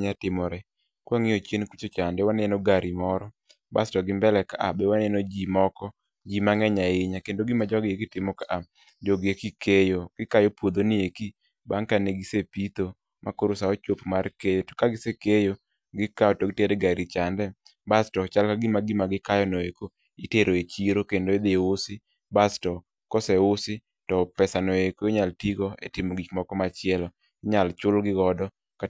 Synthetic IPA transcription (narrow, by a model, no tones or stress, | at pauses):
ɲatɪmɔɾɛ | kwaŋɪɔt͡ʃenkut͡ʃot͡ʃandɛwanenoɡaɾimɔɾɔ | ba̰stɔɡɪmbɛlɛkaʔa̰bɛwanɪenod͡ʒimɔkɔ | d͡ʒimaŋɛɲaɪɲakendoɡɪmad͡ʒɔɡekitɪmɔkaʔa | d͡ʒɔɡekikʰejoɡ̥ɪkajopwod̪onɪeki | baŋkaneɡɪsepit̪o | mʔakoɾʊsaɔt͡ʃopmarkejokaɡɪsekejo | ɡɪkaɔtɔɡɪteɾɛɡaɾit͡ʃandɛ | bastɔt͡ʃalkaɡɪmaɡɪmaɡɪkajɔnoeko | ɪteɾoet͡ʃiɾokendoed̪eʊsɪ | bastɔ | kɔsɛʊsɪ | tɔpɛsanoekoɪɲaltiɡoḛtɪmɔɡit͡ʃmɔkɔmat͡ʃɪɛlɔ | ɪɲalt͡ʃʊlɡɪɡɔdɔ | ka